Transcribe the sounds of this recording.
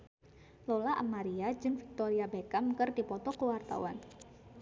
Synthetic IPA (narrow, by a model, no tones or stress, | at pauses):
lɔlaʔamaɾiad͡ʒɨŋfik̚t̪ɔɾiabekamkɨrdipɔt̪ɔkəwart̪a̰wan